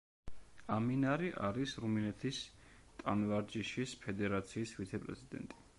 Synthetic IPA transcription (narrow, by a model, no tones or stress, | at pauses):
aminaɾiʔa̰ɾisɾuminɛt̪ʰist̪ʼanvaɾd͡ʒiʃispʰɛd̪ɛɾat̪sʰiːsvit̪sʰɛpʼɾɛ̰sʰid̪ɛ̰nt̪ʼi̥